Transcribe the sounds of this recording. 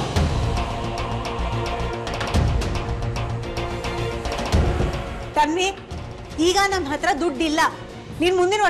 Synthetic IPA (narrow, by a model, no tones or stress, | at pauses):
t̪ɐnʋi | iːɡɐnɐmːɦɐt̪ɾɐd̪uɖːilːɐ | niːnmund̪inɐ